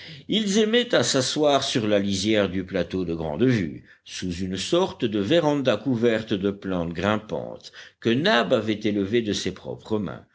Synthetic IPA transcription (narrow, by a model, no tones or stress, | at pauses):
ilzɛmɛt̪asaswaʁsyʁlalizjɛʁd̪yplat̪od̪əɡʁɑ̰̃d̪vy̰ | suzynsɔʁt̪d̪əvɛʁɑ̃d̪akuvɛʁt̪d̪əplɑ̃t̪ɡʁɛ̃pɑ̰̃t̪kənabavɛt̪eləved̪əsepχɔ̰pχəmɛ̰̃